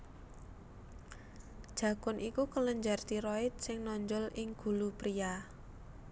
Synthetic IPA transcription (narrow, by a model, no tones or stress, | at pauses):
d̥ʒ̥ä̤kʊnʔikukələɲd͡ʒart̪iɾɔɪt̪̚sɪŋnɔɲd͡ʒɔlɪŋɡ̥ṳlupɾia